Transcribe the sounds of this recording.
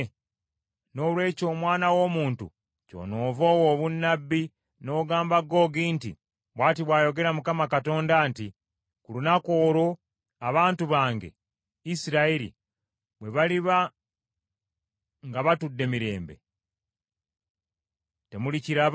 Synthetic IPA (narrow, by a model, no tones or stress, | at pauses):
no̞ːlwe̞ːco̞ːmwaːnawo̞ːmuːntṵ | co̰noːvoːwoβunːabːi | no̞ːɡaːmbaɡo̞ɡiːntḭ | βwaːtiβwaːjo̞ɡe̞ɾamukamakato̞ːndaːnti | kulunakoːɾo̞ | aβaːntuβaːŋɡe̞̰ | isiɾaiɾḭ | βwe̞βaliβa | ŋɡaβatudːe̞miɾe̞ːmbe̞̰ | te̞muliciɾa